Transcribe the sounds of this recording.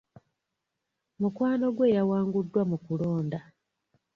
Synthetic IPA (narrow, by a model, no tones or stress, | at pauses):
mukwaːno̞ɡwe̞ːjawaːŋɡudːwamukuloːnda